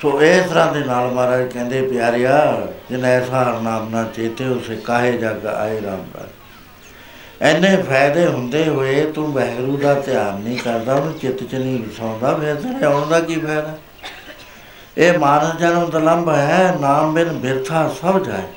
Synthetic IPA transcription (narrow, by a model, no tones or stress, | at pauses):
soːeːst̪əɾãːd̪eːnaːlmaːɾaːd͡ʒkɛ̃ːnd̪eːpɪjaːɾɪjaːd͡ʒɪnɛːsaːɾnaːmnãːt͡ʃeːt̪eːʊseːkaːɦeːd͡ʒaːɡa̰ːeːɾa̰ːmba̰ː | ɛːnːẽːpʰɛːd̪eːɦʊnd̪eːɦoːeːt̪ũːbɛːɡɾũːd̪aːt̪ɪjaːɾnĩːkəɾd̪aːʊnũːt͡ʃɪt̪t͡ʃnĩːbɪsãːnd̪aːpʰɪɾt̪eɾẽːoːɳd̪aːkiːpʰɛːd̪aː | eːmaːnəsd͡ʒaːnõnd̪aːləmbɦɛːnaːmbɪnbɪɾt̪ʰaːsəbd͡ʒa̰ːḛː